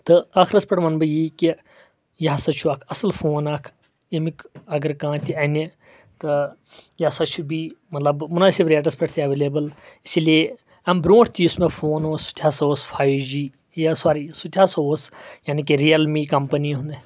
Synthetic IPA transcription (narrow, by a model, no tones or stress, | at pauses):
t̪ɨaːxɾɐspʲɐʈmɐnbɨjiki | jɐsɐt͡ʃʰuakʰɐslfʰoːnaːkʰ | emikɐɡəɾkãːt̪iɐne | t̪ɨ | jasɐt͡ʃʰubimɐt̪lɐbmʊnaːsebɾeːʈ̬ɐspʲeʈʰt̪ʰiɐʋeːleːbəlisilie | ɐmbɾõːʈʰt̪ʰiʊsmẽfʰoːnoːsu̥t̪ʰʲaːsoːsfʰaːjd͡ʒiː | jasaːɾiːsut̪ʲʰasoːsjaːnik̬iɾijɐlmiːkɐmpɐniɦũnd̪e